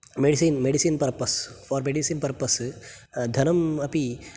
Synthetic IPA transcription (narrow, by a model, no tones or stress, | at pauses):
meɖisiːnmeɖisiːnpɐɾpɐsfɔːɾmeɖisiːnpɐɾpɐs | d̪ʱɐnɐmɐpi